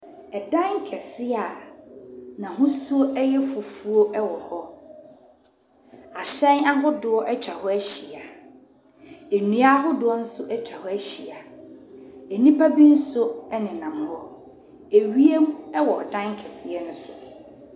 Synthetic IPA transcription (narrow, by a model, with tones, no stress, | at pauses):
ɛ˨dã˦ŋ˦kʰɛ˨sɪ˦a˨ | nã˨ɦʊ̃˦su˦o˦ʔɛ˦jɛ˦fʊ˨fu˦o˦ʔɛ˦wɔ˨hɔ˦ | a˨ɕɛ̃˦na˦ɦʊ˦dʊ˨ɔ˦ʔɛ˦t͡ɕᶣa˨hɔ˦æ˦ɕi˨a˨ | e˨nũ˨a˦ɦʊ˦dʊ˨ɔ˦nʊ̃˦sʊ˦ʔɛ˦t͡ɕᶣʰa˨hɔ˦æ˦ɕi˨a˨ | ɛ˨nĩ˦pʰa˦bi˦n̩˦sʊ˦ɛ˦nɪ̃˨nã˨m˨hɔ˦ | e˨ɥi˦e˦m˦ɛ˦wɔ˨dã˦ŋ˦kʰɛ˨sɪ˦ɛ˦nʊ̃˦sʊ˨